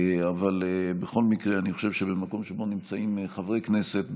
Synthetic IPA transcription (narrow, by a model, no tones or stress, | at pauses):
avalbeχo̞lmikʁeaniχoʃe̞vʃebemako̞mʃebo̞nimt͡saimχavʁejkne̞se̞t̪